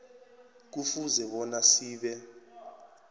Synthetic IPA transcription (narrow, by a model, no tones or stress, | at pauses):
k̬ufuzɛɓɔnasiːɓɛ